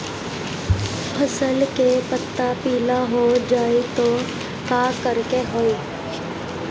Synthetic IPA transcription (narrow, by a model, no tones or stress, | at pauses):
pʰəsəlkepət̪ːapiːlaɦod͡ʒaːit̪o | kaːkəɾkeɦoːi